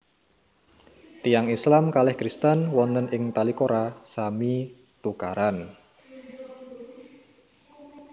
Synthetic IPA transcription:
t̪ijaŋislamkalɛhkɾist̪ənwɔnənʔɪŋt̪alikoɾasami | t̪ukaɾan

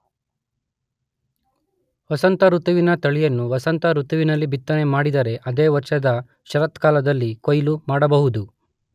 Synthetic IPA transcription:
ʋɐsɐnt̪ɐɾut̪uʋinɐt̪ɐɭijɐnːuʋɐsɐnt̪ɐɾut̪uʋinɐlːibit̪ːɐne̞maːɽid̪ɐɾe̞ʔɐd̪eːʋɐɾʃɐd̪ɐ | ʃɐɾɐt̪kaːlɐd̪ɐlːikojlumaːɽɐbɐɦud̪u

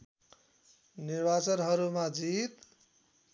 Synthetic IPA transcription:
nirbat͡sʌnɦʌɾumad͡zit̪

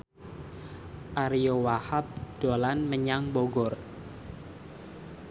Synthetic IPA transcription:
ʔaɾijowahap̚d̥olanməɲaŋboɡɔr

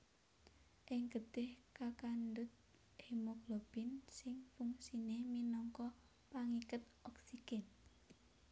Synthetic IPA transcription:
ʔɪŋɡəd̪̥ɪhkakandʊt̪̚ | hemoɡ̥lob̥insɪŋfuŋsineminɔŋkɔ | paŋikət̪̚ɔksiɡ̥ɛn

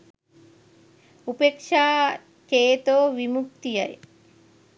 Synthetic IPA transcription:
upekʂaː | keːt̪oːʋimuk̚t̪ijɐ̰jḛ

